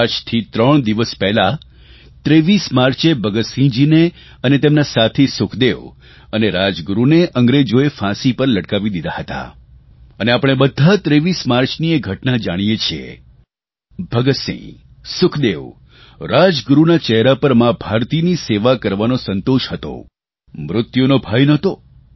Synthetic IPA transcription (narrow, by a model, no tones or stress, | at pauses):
ad͡ʒt̪ʰit̪ɾəɳ̃d̪iʋəspɛɦla | t̪ɾeʋismaɾt͡ʃebʱəɡət̪sĩd͡ʒine | ənet̪emnasat̪ʰesʊkʰd̪eʋ | əneɾad͡ʒɡuɾuneʔəŋɡɾed͡ʒoefãsipəɾləʈkaʋid̪id̪aɦət̪a̰ | əneapəɽ̃ebəd̪ʱat̪ɾeʋismaɾt͡ʃnieɡʱəʈnad͡ʒaɽ̃ijet͡ʃʰiḛ | bʱəɡəsḭ̃ | sʊkʰd̪eʋ | ɾad͡ʒɡɾunat͡ʃɛɦɾapəɾmãbʱaɾt̪iniseʋakəɾʋanosənt̪oʃhət̪o̰ | mɾʊt̪jonobʱajnət̪o